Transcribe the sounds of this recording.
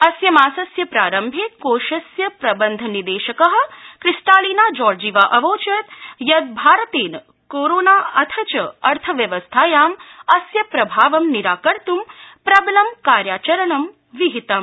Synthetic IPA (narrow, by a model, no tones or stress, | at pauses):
ɐsjɐmaːsɐsjɐpɾaːɾɐmbʱeːkoːʃɐsjɐpɾɐbɐnd̪ʱɐnid̪eːʃɐkɐɦɐ̆kɾisʈaːliːnaːd͡ʒɔːɾd͡ʒiːʋaːʔɐʋoːt͡ʃɐt̪jɐd̪̚bʱaːɾɐt̪eːn | koːɾoːnaːɐt̪ʰɐt͡ʃɐɐɾt̪ʰɐʋjɐʋɐst̪ʰaːjaːmɐsjɐpɾɐbʱaːʋɐmniɾaːkɐɾt̪umpɾɐblɐmkaːɾjaːt͡ʃɐɾɐɳɐm | ʋiɦit̪ɐm